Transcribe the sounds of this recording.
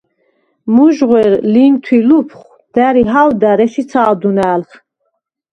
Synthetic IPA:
muʒʁwɛɾlint̪ʰwilupʰχ | d̪̥æɾiɦawd̪æɾɛsit͡s̪ʰaːd̪unæːlχ

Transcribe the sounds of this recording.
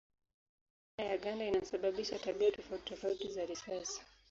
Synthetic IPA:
ajaɡandainasaɓaɓiʃataɓiatɔfautɔfautizaɾisasḁ

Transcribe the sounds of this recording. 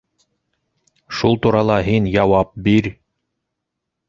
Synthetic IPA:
ʃulˠt̪uɾɑlˠɑɦinjɑwɑp̚biɾ

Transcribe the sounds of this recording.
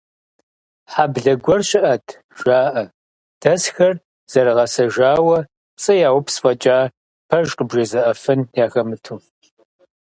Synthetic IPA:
ħabɮɐɡʷɔrɕʼɪʔɐtʰ | ʒ̥aːʔɐ | d̥ɐsxɐr | z̥ɐɾɨʁɐsɐʒaːwɐ | pt͡sʼɨjaːwʊpʰsfʼɐt͡ʃʼaː | pʰɐʒqʼəbʒɐzɨʔɐfɨnjaːxɐmɨtʰu

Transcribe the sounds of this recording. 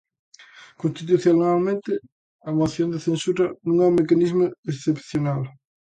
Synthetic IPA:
kõnst̪it̪uθjonalmẽnt̪ɪ | amaθjond̪eθensuɾɐnũŋɛumekanizmoesθepθjonal

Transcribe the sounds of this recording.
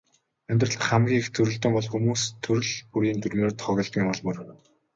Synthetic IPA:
ænʲt̪rə̆ɬt̪χamɡʲiːxt̪ʰɵɾɵ̆ɮt̪ə̆mpɔɮxumuːst̪ʰːɵɾɵ̆ɮpuɾiːnt̪ʰɵrɣoːrt̪ʰχɔɣʲɞ̆ɮt̪ɡiːŋɔɮpɵ̆r

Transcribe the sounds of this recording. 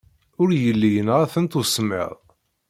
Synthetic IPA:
ʊɾjəlːijənʁæθənt̪usmə̰ðˤ

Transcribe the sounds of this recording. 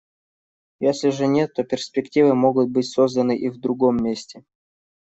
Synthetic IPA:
jesʲlʲɪʐɨnʲet̪ːo̞pʲɪrsʲpʲɪktʲivɨmo̞ɡʊt̪̚bɨtʲsozd̪ənɨʔivd̪ɾʊɡo̞mʲːesʲtʲɪ

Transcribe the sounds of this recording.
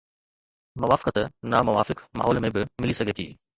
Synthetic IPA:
mɐʋaːfɪ̥kət̪namɐʋaːfɪkma̰ɦɔːlmẽbɪmɪlisɐɡʱeːt̪ʰḭː

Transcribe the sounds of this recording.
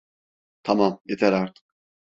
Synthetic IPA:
t̪ʰamamjet̪ʰæɾaɾt̪ʰɯ̥k

